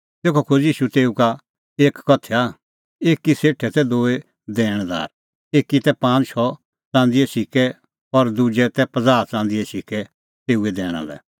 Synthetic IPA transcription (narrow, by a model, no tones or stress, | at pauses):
t̪eːkʰokʰʊd͡ʒiːʃut̪eːuka | eːkːɔt̪ʰːea | eːkːiseːʈʰɛt̪ɛd̪oːe | d̪ɛːɽ̃d̪a̰ːɾ | eːkit̪ɛpãːt͡ʃʰɔ | t͡sãːnd̪iɛsikɛ | ɔɾd̪ud͡ʒɛt̪ɛpɐd͡zaːɾt͡sãːnd̪iɛsikɛ | t̪eːuɛd̪ɛːɽ̃a̰lɛ̰